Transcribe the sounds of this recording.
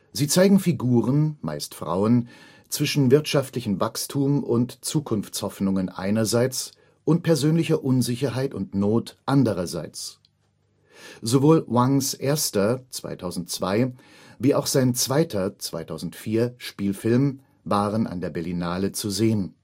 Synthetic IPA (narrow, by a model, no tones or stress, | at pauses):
ziːt͡saɪɡŋ̩fiɡuːʁənma̰ɪstfʁ̥a̰ʊən | t͡sv̥ɪʃn̩vɪɐtʃaftlɪçn̩vakstʰuːmʊntt͡suːkʰʊnft͡shɔfnʊŋənʔa̰ɪnɐzaɪt͡s | ʔʊnt̚pʰɛɐzøːnlɪçɐʔʊnzɪçɐɦaɪtʊntnoːtʔandəʁɐza̰ɪt͡s | zovoːlwaŋsʔeːɐstɐt͡sv̥a̰ɪtʰaʊzn̩tt͡sv̥aɪ | viːʔaʊxz̥aɪnt͡sv̥aɪtʰɐt͡sv̥a̰ɪtʰaʊzn̩tfiːɐʃpiːlfɪlm | vaːʁənʔa̰ndeːɐbɛɐlinaːlət͡suzeːən